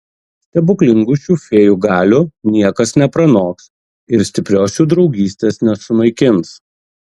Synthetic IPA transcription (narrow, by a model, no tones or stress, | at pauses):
sʲt̪ʲɛbʊklʲɪŋɡʊʃʲuːfʲeːjuːɡɑːlʲʊnʲiɛkɐsnʲɛpɾɐnoːks | ɪɾsʲt̪ʲɪpʲɾʲoːsʲuːd̪ɾɒʊɡʲiːsʲt̪ʲeːsnʲɛsʊmɐɪkʲɪms